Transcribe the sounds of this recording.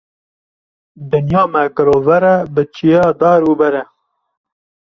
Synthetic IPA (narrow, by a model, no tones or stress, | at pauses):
d̪ɨnjɑːmɛkɨɾovɛɾɛbɨt͡ʃʰijɛd̪ɑːɾuːbɛɾɛ